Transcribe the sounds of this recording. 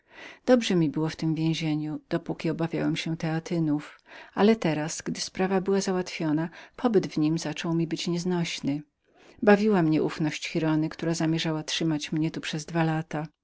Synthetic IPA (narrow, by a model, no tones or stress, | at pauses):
d̪̥ɔbʐɛmʲibɘwɔft̪ɘmvʲjẽw̃ʑeɲud̪̥ɔpukʲiɔbavʲja̰wɛmɕɛt̪ɛat̪ɘnufalɛt̪ɛɾasɡd̪ɘspɾavabɘwazawat̪fʲjɔnapʰɔbɘd̪vɲimzat͡ʂɔwmʲibɘt͡ɕɲɛznɔɕnɘ | bavʲiwamɲɛʔufnɔɕt͡ɕxʲiɾɔnɘkt̪uɾazamʲjɛʐawatʂɘmat͡ɕmɲɛt̪upʂɛzd̪valat̪a